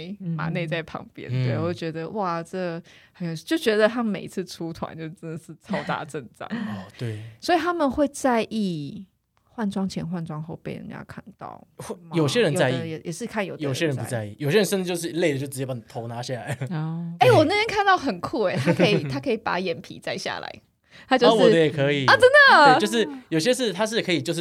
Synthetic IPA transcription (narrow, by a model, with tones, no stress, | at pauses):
ɪma̰˨˩˦ne˥˧ɪt͡sa˥˩ɪpʰɑ̰˧˥ŋpjɛ̰˥nt̪we˥˩˨wwo˥˩t͡ɕɥɛ˧˥d̪ə˧wʔa˥˩ʈ͡ʂə˥˩ɡxə˧˥njo˨˩ɕi˥˩t͡ɕo˥˩ʊt͡ɕɥɛ˧˥d̪ə˧t̪ʰa˥me˨˩ɪi˦t͡sʰɹ̩˥˧ʈ͡ʂʰu˥t̪ʰwa̰˧˦nt͡ɕo˥˧ʊʂ̩˥˧ʈ͡ʂə˥nd̪ə˨˩ʂɻ̩˥˩t͡sʰɑ˥ʊt̪a̰˧ʈ͡ʂə˥˧ŋʈ͡ʂɑ̰˨˩˦ŋɔ˨˩we˥˩ɪswɔ˧˥i˨˩t̪ʰa˥mə˨nxwe˥˧ɪt͡sa˥˧ɪʔi˥˩ | xwa˥˩nt͡swɑ˥ŋt͡ɕʰjɛ̰˧˥nxwa˥˩nt͡swɑ˥ŋxo˥˧ʊpe˥˩ɪɻə̰˧˦nt͡ɕja̰˥˧˩kʰa̰˥˩nt̪ɑ̰˥˩ʊ˥˩mjo˨˩ʊɕjɛ˦˥ɻə˧˦nt͡sa˥˧ɪḭ˥˧˦jɛ˨˩jɛ̰˨˩ʂɻ̩˥˧kʰa˥˩njo˨˩˨jo˨˩ʊɕjɛ˦˥ɻə˧npu˨˥˦t͡sa˥˧ɪi˥˩jʊɕjə˧˦nʂə˥˧t͡s̩˧˥˧jo˥˧ʊʂ̬ɻ̩˥˩˨le˥˩ɪə˩t͡ɕjo˥˩t͡sɻ̩˧t͡ɕjɛ˥˩a˩˨˩t̪ʰo˨˧˦ʊna˧˦ɕja˥˩la̰˨˧˦ɪ˩e˥˩ɪwɔ˨˩ne˥ɪjɛ˥nkʰa˥˧nt̪ɑ˥˩ʊxə˨˩nkʰu˥˩e˨˩t̪ʰa˥kʰə˧˥i˩˨˩t̪ʰa˥kʰɤ˧˥i˨˩pa̰˨˥jɛ˨˩npʰḭ˨˦t͡sa˥˧ɪɕja̰˨˩la̰˧˦ɪ | t̪ʰa˥t͡ɕjo˥˧˥wɔ˨d̪ə˦jɛ˨˩kʰə˧˦i˨˩ə˥˨t͡sə˦˥nd̪ə˨e˧jʊʂ̬ɻ̩˥˩jo˨˩ɕ̬jɛ˥ʂ̬ɻ̩˥˩t̪ʰa˥ʂ̬ɻ̩˥˩kʰɤ˧˥i˨˩t͡ɕjo˥˧ʊʂɻ̩˥